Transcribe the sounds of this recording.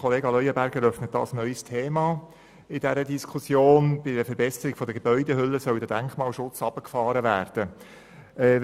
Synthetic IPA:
χɔleːɡɑlœʏəbæɾɡəɾœfnət̚dɑ̰ːsnœʏstʰeːmɑ | ɪd̥ɛɾədiskʰusjoːnb̥ɪdəfəɾbɛsəɾɪɡ̥fɔd̪əɡebœʏdɛɦʏlːəsœwdəd̥æŋkmɑːlʃʊt͡sɑb̥əkfɑːɾəʋæːrd̥ə | ɛ

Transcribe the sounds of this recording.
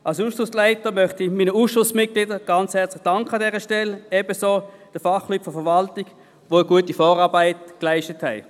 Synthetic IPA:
ʔalsuːsʃʊslaɪtəmœχtimiːnəuːsʃʊsmɪt̚ɡ̥lidəɡ̥ɑnt͡shɛɐt͡slɪ̥χd̥ɑŋkχəɑdɛːʁəʃtɛlɛb̥əsoːd̥əfɑχlyːtfɔfəɐʋɑltɪ̥ | ʋoːəɡuətifɔːʁɑːʁbaɪtklaɪʃtəthɛ̰ɪ

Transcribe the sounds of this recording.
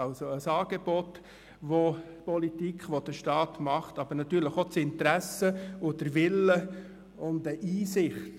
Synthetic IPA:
ɑlsoəsɑːɡ̥eb̥ɔt | ʋo | pɔlitikχʋod̥əʃtɑːtmɑχtɑb̥əɾnɑt̪yːɾləχot͡sɪntɾæsəʊd̥əɾʋɪlə | ʊndəʔiːsɪχt

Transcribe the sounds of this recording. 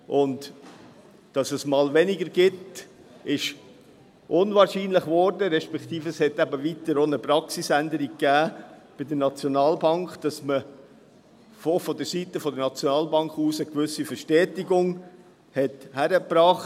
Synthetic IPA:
ʔʊnt | d̥ɑsəsmɑːlvɛnɪɡəɾɡ̥ɪt | ɪʃ | ʔʊnvɑːɾʃiːnlɪχvɔɾdəɾɛʃpɛkt̪iːfɛshɛtæbəvitəɾoːnəpɾɑksisændəɾiɡ̚ɡæːb̥ɪdənɑt͡sjonɑːlbɑŋkχd̥ɑsmə | fofɔdəsitəfɔdənɑt͡sjonɑːlbɑŋkχuːsəkvʏsifəʃtɛːtiɡʊŋ | hɛthæɾəpɾɑːχt

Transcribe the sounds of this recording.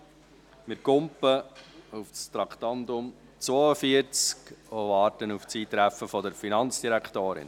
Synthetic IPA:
mɪɾkʊmpəufst̪ɾɑkχt̪ɑnd̪ʊm | t͡sʋoːəfiəɾt͡skoʋɑːɾtənuft͡siːt̪ɾæfəfɔdəɾfinɑnt͡sd̥iɾækt̪oːɾɪ̰n

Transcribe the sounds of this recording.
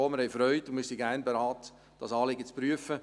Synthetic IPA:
oːmɪɾhɛɪfɾœʏtʊnmɪɾsiɡæːrnbeɾaːt | d̥ɑsɑːlɪɡət͡spɾyəfə

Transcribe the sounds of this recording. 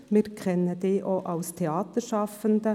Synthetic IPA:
mɪɾkʰɾɛnəd̪ɪʔoːʔɑʊst̪ʰɛɑːt̪əʃɑfənd̪ə

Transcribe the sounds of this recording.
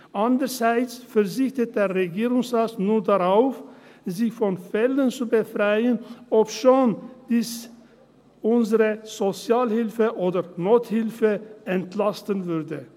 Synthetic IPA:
ʔandəz̥aɪt͡sfɛɐzɪçtət̚d̥eːɐʁeɡiːʁʊŋsʁaːtnuːɐdaʁaʊfziçfɔnfɛlənt͡subəfʁaɪənʔɔpʃoːnd̥iːs | ʔʊnzəʁəz̥ot͡sjaːlhɪlfəʔoːdɐnoːthɪlfəʔɛntlastənvʏʁdə

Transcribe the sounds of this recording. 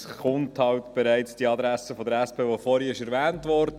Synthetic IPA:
sχʊnthɑwtb̥ɛɾæɪt͡sd̥iɑd̪ɾæsəfɔdəɾɛspʰeːʋofɔɾiɪʃɛɾʋæːntʋɔːɾdə

